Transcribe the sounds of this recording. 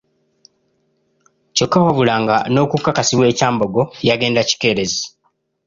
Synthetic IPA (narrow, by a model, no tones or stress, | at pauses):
co̞kːawaβulaːŋɡano̞ːkukːakasiβwe̞ːcaːmbo̞ɡo̞jaɡe̞ːndaci̥ke̞ːɾe̞zi